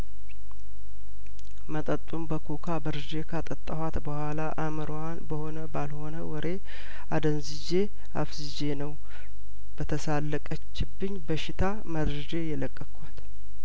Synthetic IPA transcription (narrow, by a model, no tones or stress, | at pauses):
mət̪ʼət̪ʼːumbəkʰukʰabəɾɨd͡ʒe̞kʰat̪ʼət̪ʼːəhat̪bəhʷalaʔamɨɾwanbəho̞nəbalho̞nəwɔɾe̞ | ad̪ənzid͡ʒe̞ | a̰fzid͡ʒe̞nəw | bət̪ʰəsalːəkʼət͡ʃːɪbːɨɲːbəʃɪt̪ʰa | məd̪ɾɨd͡ʒejɛləkʼːəkʰʷat̪